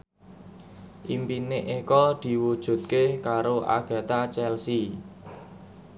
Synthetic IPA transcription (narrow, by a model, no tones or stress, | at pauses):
ʔimpineʔekɔd̪̥i̤wud̥ʒ̥ṳt̪̚kekaɾoʔa̰ɡ̥ä̤t̪at͡ʃɛlsi